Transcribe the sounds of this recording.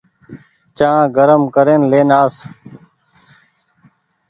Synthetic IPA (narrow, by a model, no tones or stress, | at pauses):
t͡ʃãːɡəɾəmkəɾeːnleːnaːs